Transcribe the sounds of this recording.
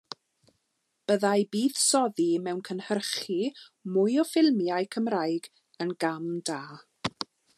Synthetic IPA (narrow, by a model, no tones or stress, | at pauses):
b̥əðajbiːð̥sɔðimɛwnkʰənhərχi | mʊjɔfɪlˠmjajkʰəmrajɡ | ənɡamdaː